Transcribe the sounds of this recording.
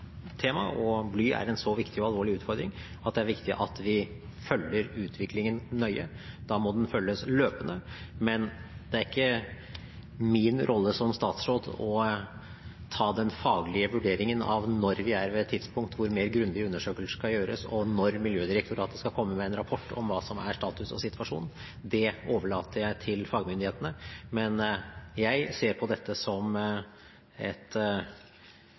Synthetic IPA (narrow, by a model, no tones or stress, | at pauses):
t̪ʰeːmɑ̰ʔɔblyːʔæ̰ɾɛnsɔʋɪkt̪ɪɔɑlˠʋoːɭɪʉːt̪fɔɾd̪ɾɪŋ | ʔɑt̪̚d̪ɛæɾʋɪkt̪ɪʔɑt̪ʋɪ | fœlːəɾʉːt̪ʰʋɪklɪŋənːœʏə | d̪̥ɑːmɔd̪ɛnfœlːəsløːpənə | mɛnd̪̥ɛæɾɪkːə | mɪnɾʔɔlːəsɔmst̪ɑːt̪sɾoːd̪ɔ | t̪ʰɑːd̪ɛnfɑːɡlɪəʋʉɖeːɾɪŋənɑ̰ʋnɔɾʋɪæɾʋɛɛt̪ʰːɪd̪spʊŋkt̪ʋʊɾmeːɾɡɾʉnd̪ɪʉnːəʂøːkəlsəʂkɑljøːɾə̰sɔnɔɾmɪljøːd̪ɪɾɛkt̪ʰʊɾɑt̪d̪ɛskɑkʰɔmːəmɛɛnɾɑpʰɔʈːɔ̰mʋɑːsɔmæ̰ɾʂʈ̪ɑːt̪ʉsɔ̰sɪt̪ʰʋɑʂṵːn | d̪ɛoːʋəɭɑːt̪əɾjæɪt̪ʰɪlfɑːɡəmʏnd̪ɪheːt̪ənəmɛnjæɪseːɾpʰɔd̪ɛt̪ʰːəsɔm | ɛt̪